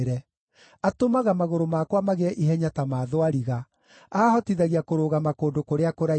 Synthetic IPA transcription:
ɾɛ | atomaɣamaɣoɾomakwamaɣɛɛʔiɦɛɲatamaːðoaɾiɣa | aːhɔtiðaɣiakoɾoːɣamakoːndokoɾeakoɾa

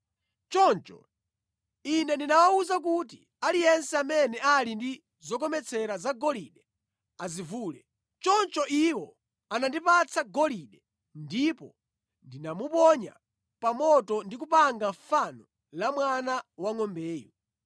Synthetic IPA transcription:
t͡ʃɔnt͡ʃɔ̰ | inɛndinawauzak̬utḭ | alijɛnsɛamɛnɛʔalindi | zɔk̬ɔmɛt͡sʰɛɾazaɡɔliɗɛ | azivuːlɛ | t͡ʃɔnt͡ʃɔʔiwɔ | anandipat͡sʰaɡɔliɗɛ | ndipɔ̰ | ndinamupɔɲa̰ | pamɔtɔndik̬upaŋɡaɱfanɔ | lamwanawaŋɔmbɛːjɔ

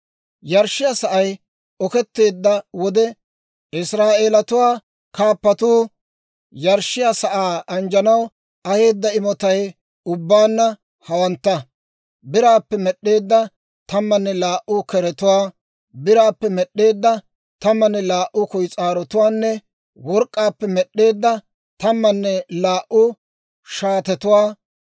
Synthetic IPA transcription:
jɐɾʃːɪjasɐʔɐj | ɔkɛt̪ːe̞ːd̪ːɐwɔd̪ɛ | ɪsɾaːʔeːlɐt̪ʊwaː | kaːpːɐt̪uː | jɐɾʃːɪjasɐʔaːɐnd͡ʒɐnɐw | ɐhe̞ːd̪ːɐɪmɔt̪ɐj | ʊbːaːnːɐ | hɐwɐnt̪ːɐ | bɪɾaːpːɛmɛɗːe̞ːd̪ːɐ | t̪ɐmːɐnːɛlaːʔʊkɛɾɛt̪ʊwaː | bɪɾaːpːɛmɛɗːe̞ːd̪ːɐ | t̪ɐmːɐnːɛlaːʔʊkɔjt͡sʼaːɾɔt̪ʊwaːnːɛ | wɔɾkʼːaːpːɛmɛɗːe̞ːd̪ːɐ | t̪ɐmːɐnːɛlaːʔʊ | ʃaːt̪ɛt̪ʊwaː

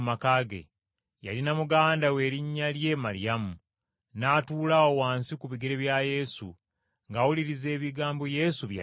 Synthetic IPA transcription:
makaɡḛ | ja̰linamuɡaːndawe̞ːɾiɲːalje̞ːmaɾḭamu | naːtuːlawowaːnsikuβiɡe̞ɾeβjaje̞sṵ | ŋɡawuliɾize̞ːβiɡaːmboje̞suβja

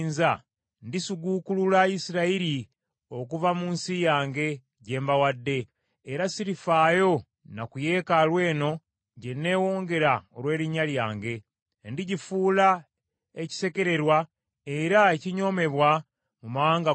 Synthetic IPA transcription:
nza | ndisuɡukululajisiɾaiɾi | o̞kuvamuːnsijaːŋɡe̞ | ɟe̞ːmbawadːe̞ː | ɾasiɾifaːjo̞ | nakuje̞ːkalwe̞ːno̞ | ɟe̞nːe̞ːwo̞ːŋɡe̞ɾaolwe̞ːɾiɲaljaːŋɡe̞ | ndiɟifuːla | e̞ci̥se̞ke̞ɾe̞ɾwa | e̞ɾaeciɲo̞ːme̞βwa | mumaaːŋɡa

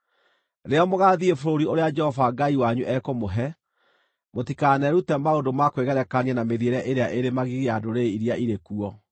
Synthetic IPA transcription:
ɾeɔmoɣaːðiefoɾoɾioɾead͡ʒɛhɔvaɡaiwaɲuʔɛkomoɦɛ | motikanɛɾutɛmaondomakweɣɛɾɛkanianameðieɾɛʔeɾeaʔeɾemaɣiɣeadoɾeiɾiaʔiɾekuɔ

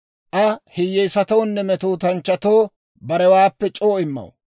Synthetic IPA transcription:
ʔɐhɪjːɛjsɐt̪ɐwnːɛmɛt̪oːt̪ɐnt͡ʃːɐt̪oː | bɐɾɛwaːpːɛt͡ʃʼoːɪmːɐ̰w

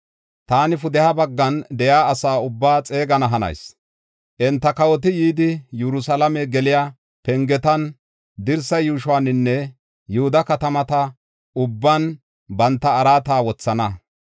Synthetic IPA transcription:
t̪aːnɪfʊd̪ɛhabɐɡːɐnd̪ɛjaːsaːʊbːaːt͡sʼe̞ːɡɐnɐɦɐnɐ̰js | ʔɛnt̪ːɐkɐwɔt̪̬ɪjiːd̪ɪjɛɾʊsɐlɐmɛɡɛlɪjaː | pɛŋɡɛt̪ɐn | d̪ɪɾsɐjuːʃʊwaːnːɪnːɛ | jʊhʊd̪ɐkɐt̪ɐmɐt̪ɐ | ʊbːan | bɐnt̪ːɐːɾaːt̪aːwɔt͡sːɐnɐ

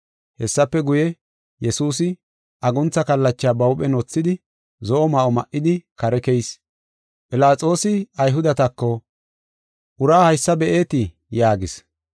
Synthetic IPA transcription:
hɛsːɐpːɛɡʊjɛ | jɛsuːs̬ɪ | ʔɐɡʊnt͡sːɐkɐlːɐt͡ʃːaːbɐwpɛnɔt͡sːɪd̪ɪ | zɔʔɔmɐʔɔmɐʔːɪd̪ɪkɐɾɛkɛjs | pʼɪlaːt͡sʼo̞ːsɪɐjɦʊd̪ɐt̪ɐkːɔ | ʔʊɾaːhɐjsːɐbɛʔe̞ːt̪ɪ | jaːɡɪs

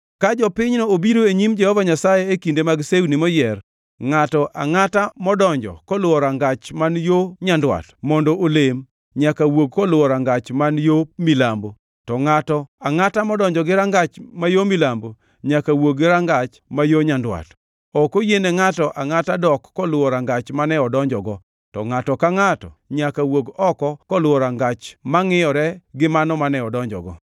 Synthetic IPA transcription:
kad͡ʒɔpɪɲnoobiɾoeɲimd͡ʒɛhɔvaɲasajɛekindemaɡsewnimɔjɛr | ŋatɔʔa̰ŋatamɔdɔɲd͡ʒɔ̰kɔlwɔɾaŋɡat͡ʃmanjoɲandwa̰tmɔndɔʔolem | ɲakawoɡ̚kɔlwɔɾaŋɡat͡ʃmanjomilambo | tɔŋatɔaŋatamɔdɔɲd͡ʒɔɡɪɾaŋɡat͡ʃmajomilambo | ɲakawoɡɪɾaŋɡat͡ʃmajoɲandwa̰t | ɔkojenɛŋatɔʔaŋatadɔkːɔlʊwɔɾaŋɡat͡ʃmanɛɔdɔɲd͡ʒɔɡɔ | tɔ̰ŋatɔkaŋatɔ̰ɲakawoɡɔkɔkɔlʊwɔɾaŋɡat͡ʃmaŋɪjɔɾɛɡɪmanɔmanɛɔdɔɲd͡ʒɔ̰ɡɔ

